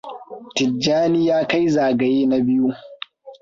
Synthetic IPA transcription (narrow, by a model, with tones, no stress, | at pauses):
tɪ˨d͡ʒaː˦ni˦jaː˦ka˦jzaː˨ɡa˨jeː˦na˦bɪ˦ju˦